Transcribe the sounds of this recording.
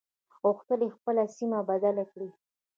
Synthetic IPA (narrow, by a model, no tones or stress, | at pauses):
ɣoxt̪əlexpəlasimabad̪alakɽi